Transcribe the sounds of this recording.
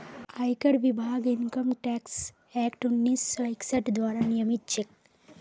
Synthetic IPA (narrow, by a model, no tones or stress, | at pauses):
ajkɐɽʋibʱaːɡiŋkəmʈɛːks | ɛːkʈunːisajkseʈd̪ʋaːɾanijəmit̪t͡ʃek̚